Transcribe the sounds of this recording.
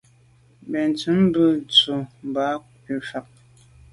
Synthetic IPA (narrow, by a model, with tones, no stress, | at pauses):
bɛ˨n˨t͡sʉ˨˦m˦bə˦t͡su˨m˨ba˨˦ | i˨ʃa˨p̚